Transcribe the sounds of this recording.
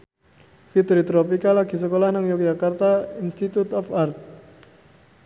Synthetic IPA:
fit̪ɾit̪ɾopikalaɡ̥i̤səkolahnaŋjɔk̚d͡ʒakart̪ainst̪it̪ut̪ɔfart̪̚

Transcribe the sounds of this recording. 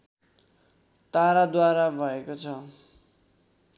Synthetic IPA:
t̪aɾad̪waɾabʱʌekot͡sʰʌ

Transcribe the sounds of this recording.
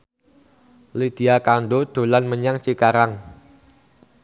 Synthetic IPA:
lid̪̥i̤akandod̪̥o̤lanməɲaŋt͡ʃikaɾaŋ

